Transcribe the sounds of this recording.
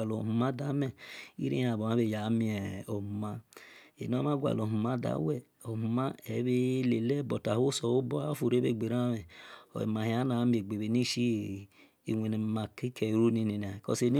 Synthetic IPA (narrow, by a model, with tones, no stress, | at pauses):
a˨lo˨hu˨ma˦da˨˦mɛ˦˨ḭ˦ɾḭ˦a˨bo˨a˨˦be˨ja˨˦mi˨ɛ˨o˨u˨ma˦ḛ˨n˦o˦m˦a˦ɡʷa̰˨lo˨hu˨ma˦da̰˨˦wɛ˦˨ | o˨mu˨ma˦ɛ˨˦βe˦le˨lɛ˦˨bo˨ta˨ho˦so˨o˦bɔ˦a˦fu˨ɾe˦be˦˨ɡ͡be˨ɾa˦me˨o̰˨ḛ˨ma˨hi˨a˨˦na˨˦mi˨˦e˨ɡ͡be˨βe˨ni˦ʃi˦ | ḭ˨wʷe˨n˨ma˨ki˦kʰe˨ɾu˦ni˧ni˨n˨a˨kɔ̰˦se˨ni˦